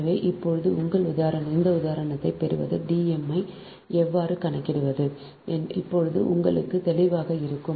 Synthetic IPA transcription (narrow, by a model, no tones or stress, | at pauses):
ʋeːʔɪpːɔɻɯðɯʊŋɡɐɭʊðaːɾɐnɐɪnd̪ɐʊðaːɾɐɳɐt̪ːɐɪpɛɾɯ̰ʋɐ̰ðɯɖiːɛmɐɪ | ɛʋːaːɾɯkɐɳɐɪkːɪɽɯʋɐðɯ | nɪpːɔɻɯðɯ̰ʔʊ̰ŋɡɐɭɯkːɯt̪ɛlɪʋaːɣɐɪɾɯkːɯm